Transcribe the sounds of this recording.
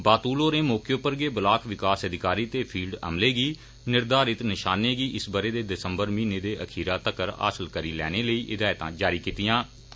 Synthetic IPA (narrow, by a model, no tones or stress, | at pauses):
baːt̪uːloːɾẽːmɔːkjoːpəɾɡeːbɪlaːkʰʋɪkaːsəd̪ɪkaːɾiːt̪eːpʰiːlɖə̰mleːɡiː | nɪɾd̪aːɾɪt̪nɪʃaːneːɡiːʔɪsbəɾeːd̪eːd̪ɪsəmbəɾmĩːneːd̪eːʔəkʰiːɾaːt̪əkəɾa̰ːsəlkəɾiːlɛ̰ːneːləiːʔɪd̪aːjt̪ã̰ːd͡ʒaːɾiːkiːt̪ɪjãː